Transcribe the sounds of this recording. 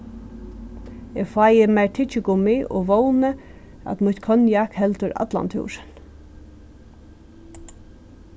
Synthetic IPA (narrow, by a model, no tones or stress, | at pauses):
ɛɡfajɪmajɹt̪ʰɪt͡ʃɪkʊmiʔɔ̰ʋoːwnə | a̰t̪mʊt̪kʰœnjakhɛlt̪ʊɾa̰t̪la̰nt̪ʰṵːʂɪn